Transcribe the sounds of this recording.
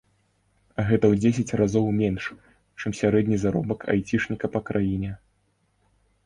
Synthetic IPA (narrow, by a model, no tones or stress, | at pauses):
ɐɣɛt̪ɐwd͡zʲes̬ʲɐt͡sʲrazɔwmʲɛnʂ | t͡ʂɨmsʲaɾɛd̪ʲnʲizaɾɔ̰bɐkʰa̰jt͡sʲiʂnʲikɐpɐkɾajinʲɛ